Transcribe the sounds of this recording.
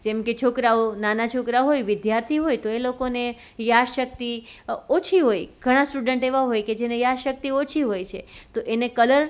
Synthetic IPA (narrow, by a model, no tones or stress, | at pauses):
d͡ʒɛmket͡ʃʰokɾaonanat͡ʃʰokɾaɦojʋɪd̪jaɾt̪ʰiɦojt̪oelokone | jaʃək̚t̪iot͡ʃʰiɦojɡ̥ʱəɽ̃ãsʈuɖəɳʈeʋaɦojked͡ʒenejaʃək̚t̪iot͡ʃʰiɦojt͡ʃʰet̪oʔenekələɾ